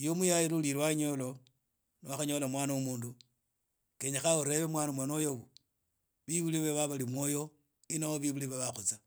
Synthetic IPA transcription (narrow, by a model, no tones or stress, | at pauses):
jomujajilulilwaɲo̞lo | niwaxaɲo̞lamwaːnawumuːndu | keɲaxauɾe̞βemwaːnamwanojoβu | βiβuliβeβaβalimwojo̞ | inawoβiβuliβaβaxut͡sa